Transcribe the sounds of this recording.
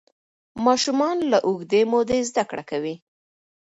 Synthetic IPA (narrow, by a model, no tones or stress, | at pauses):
mɑʃumɑnlaʔʊɣd̪emod̪ezd̪akɽa̰kawi